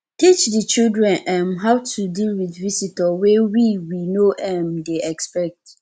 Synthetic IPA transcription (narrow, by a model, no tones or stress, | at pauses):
tit͡ʃdət͡ʃildɹɛ̃nʔɛ̃mɦaʊtʰudilwiθvisitɔwewiwinoʔɛmdeɛkspɛk̚t